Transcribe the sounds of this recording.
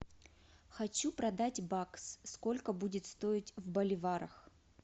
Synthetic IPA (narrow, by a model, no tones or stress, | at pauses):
xɐt͡ɕupɾɐd̪atʲbakssko̞lʲkəbudʲɪt̪st̪o̞ɪtʲvbɐlʲɪvaɾəx